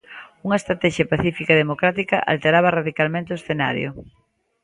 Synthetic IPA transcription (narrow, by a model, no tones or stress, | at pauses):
uŋɐest̪ɾat̪ɛʃjɐpaθifikaðemokɾat̪ikɐʔa̰lt̪eɾaβ̞ɐraðikalmẽnt̪eoesθena̰ɾjʊ̰